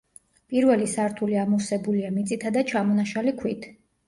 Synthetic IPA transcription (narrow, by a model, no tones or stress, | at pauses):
pʼiɾvɛlisaɾt̪ʰuliamusɛbuliamit̪sʼit̪ʰad̪at͡ʃʰamɔnaʃalikʰwit̪ʰ